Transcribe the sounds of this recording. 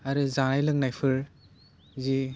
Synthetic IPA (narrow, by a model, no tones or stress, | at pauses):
aɾɯzanajlɯŋnajpʰɯɾ | zi